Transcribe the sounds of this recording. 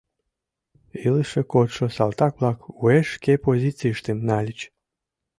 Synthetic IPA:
ilɨʃekot̪ʃosɑlt̪ɑkβlɑkueʃkepozit͡siʃt̪emnɑlʲit͡ɕ

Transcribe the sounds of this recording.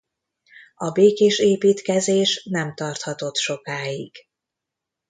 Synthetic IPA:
ɒbeːkeːʃeːpiːt̪kɛzeːʃnɛmt̪ɒrt̪hɒt̪o̞t̪ʃo̞kaːiɡ̥

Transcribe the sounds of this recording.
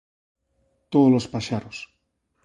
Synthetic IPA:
t̪oðolospaʃaɾos

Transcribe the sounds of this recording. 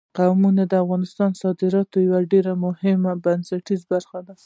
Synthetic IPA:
qawmunad̪əafɣɑnɪst̪ɑnsɑd̪ɪɾɑt̪ojawaɖeɾamʊhɪmabansaʈizbaɾxad̪a

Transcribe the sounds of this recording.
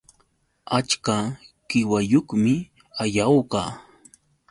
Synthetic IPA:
at͡ʃka | ɢ̥ɪwajoχmɪ | ajawɢɑː

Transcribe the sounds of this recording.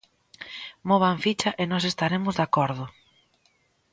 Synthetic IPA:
moβaɱfit͡ʃɐʔenɔsest̪aɾemʊzðakɔɾðʊ

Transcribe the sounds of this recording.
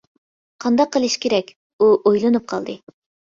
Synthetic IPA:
qʰɑnd̪ɑqːəlˠɨʃkʲʰeɾɛkʲ | uʔojlˠɨnɨp̚qʰɑlˠd̪ɨ

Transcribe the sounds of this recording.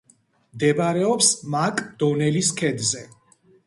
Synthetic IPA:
md̪ɛbaɾɛɔpsmakʼd̪̥ɔnɛliskʰɛd̪zɛ

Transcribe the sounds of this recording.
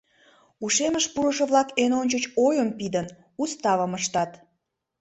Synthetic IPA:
uʃeməʃpuɾəʃə̆βlɑkenonʲt͡ɕət͡ɕojəmpid̪ən | ust̪ɑβəməʃt̪ɑt̪

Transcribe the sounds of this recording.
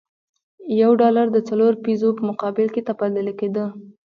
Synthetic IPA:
jawɖɑlaɾd̪ət͡saloɾpizopəmʊqɑbɪlket̪apaləlked̪ə

